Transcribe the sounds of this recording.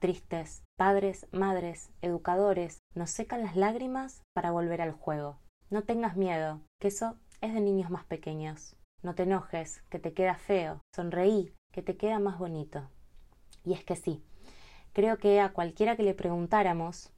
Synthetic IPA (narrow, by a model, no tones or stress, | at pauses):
t̪ɾist̪espaðɾe̞smað̞ɾe̞seðukað̞o̞ɾe̞sno̞sːe̞kanlazlaɣɾimaspaɾaβ̞o̞lβ̞e̞ɾalxwe̞ɣo̞no̞t̪e̞ŋɡazmje̞ð̞o̞keso̞e̞zðe̞nĩɲo̞zmaspe̞ke̞ɲo̞sno̞t̪eno̞xe̞ske̞t̪eke̞ðafe̞o̞so̞nre̞ike̞t̪e̞ke̞ðamazβo̞nit̪o̞ | ie̞ske̞si | kɾe̞o̞keeakwalkje̞ɾake̞le̞pɾe̞ɣunt̪aɾamo̞s